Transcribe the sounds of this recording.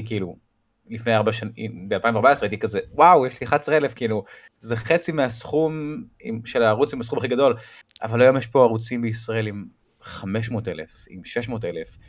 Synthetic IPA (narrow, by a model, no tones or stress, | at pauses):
kiilu | lifne̞jaʁbaʃanḭbealpaimveaʁbaesʁejit̪ikazewawjeʃliχat͡sʁelefkiilu | zeχet͡simeasχumḭmʃelaːʁut͡simas̬χumaχiɡado̞l | ʔa̰valajo̞mjeʃpo̞aʁut͡simbeisʁae̞lim | χame̞ʃ̬mo̞ːtelefḭmʃeʃmoːtelef